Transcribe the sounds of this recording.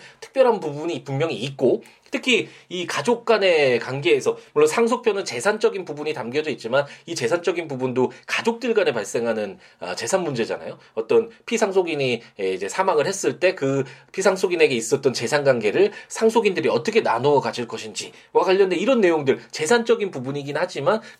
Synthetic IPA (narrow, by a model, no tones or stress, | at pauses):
tʰɯ̥k̚p͈jʌɾɦanpubuɲipummjʌŋiːt̚k͈o | tʰɯkʰiikad͡ʑok̚k͈ane̞kaŋɡe̞ːsʰʌmuɭːosʰaŋsʰok̚pʰjʌnɯnt͡ɕe̞sʰant͡ɕ͈ʌɡinpubuɲitamɡjʌd͡ʑʌit̚t͡ɕ͈imanit͡ɕe̞sʰant͡ɕ͈ʌɡinpubundokad͡ʑok̚t͈ɯɭɡane̞paɭs͈e̞ŋɦanɯn | a̰t͡ɕe̞sʰanmund͡ʑe̞d͡ʑa̰na̰jo | ʌt͈ʌnpʰisʰaŋsʰoɡiɲieid͡ʑe̞sʰamaŋɯɭhe̞s͈ɯɭt͈e̞kɯpʰisʰaŋsʰoɡine̞ɡe̞is͈ʌt͈̚ʌnt͡ɕe̞sʰanɡaŋɡe̞ɾɯɭsʰaŋs̬ʰoɡindɯɾiʌt͈ʌkʰe̞na̰noʌkad͡ʑiɭk͈ʌɕʰind͡ʑi | wakwaʎːʌndeiɾʌnːe̞joŋdɯɭt͡ɕe̞sʰant͡ɕ͈ʌɡinpubuɲiɡinhad͡ʑiman